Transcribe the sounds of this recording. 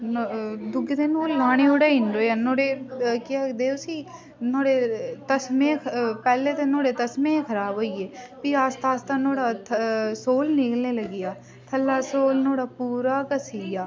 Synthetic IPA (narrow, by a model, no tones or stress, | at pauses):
nod̪ʊɡəd̪enolaːɽ̃eoːɽaɪ̃ɳɖoːjɐnoːɽekaːd̪eːsi | noːɽet̪ɐsmẽpɛːlet̪enoːɽet̪ɐsmẽkʰɐɾaːbɦoːieːpiaːst̪aːst̪anoːɽat̪ʰsoːlnɪkəlnelɐɡijaː | t̪ʰɐlːasoːlnoːɽapuːɾakɐsiːjaː